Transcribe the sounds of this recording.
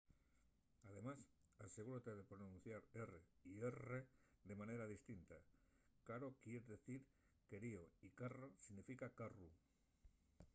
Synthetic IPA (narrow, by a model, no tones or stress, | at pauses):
að̞e̞mas | ase̞ɣ̞uɾot̪e̞ðe̞pɾo̞nũnθjaɾere̞iere̞ðe̞mãne̞ɾaðist̪int̪a | kaɾo̞kje̞ɾeðe̞θiɾ | ke̞ɾio̞ikarosiɣnifikakaru